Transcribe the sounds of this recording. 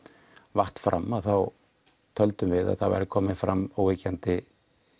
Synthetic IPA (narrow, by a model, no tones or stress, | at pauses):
vaht̪fɾʔa̰mːaðθaw | t̪ʰœlt̪ʏmvɪða̰ðθawva̰ɾɪkʰɔːmɪnfɾamowvecant̪ɪ